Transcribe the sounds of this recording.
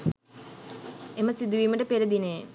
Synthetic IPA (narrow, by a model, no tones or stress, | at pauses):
eməsid̪uʋiːməʈəpeɾɐd̪ine